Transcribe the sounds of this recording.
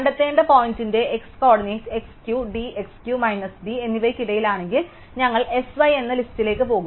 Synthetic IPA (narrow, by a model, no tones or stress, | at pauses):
kɐɳɖɐt̪ːe̞ːɳɖɐpo̞ːjntinde̞eksko̞ːɽɐniekskjuɖiekskjumɐjnɐsɖie̞nːiʋɐjkːiɽɐjilaːɳe̞ŋɡil | ɲɐŋːɐɭe̞sʋɐje̞nːɐlistile̞ːkːɨpo̞ːɣu